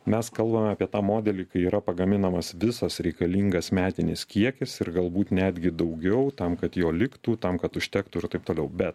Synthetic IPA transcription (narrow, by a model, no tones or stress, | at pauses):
mʲɛskɐlˠbɐmʲɛɑːpʲiɛt̪ɑːmoːd̪ʲɛlʲiːkɐɪiːɾɐpɐɡɐmʲɪnɐmɐsʋʲɪsɐsɾʲɛɪkɐlʲiŋɡɐsmʲæːt̪ʲɪnʲɪskʲiɛkʲɪsɪɾɡɐlˠbuːt̪nʲæːd̪ʲɡʲɪd̪ɐʊɡʲɛʊt̪ɐmkɐt̪joːlʲɪkt̪uːt̪ɐmkɐt̪ʊʃʲt̪ʲæːkt̪uːɪɾt̪ɐɪp̚t̪oːlʲɛʊbʲɛt̪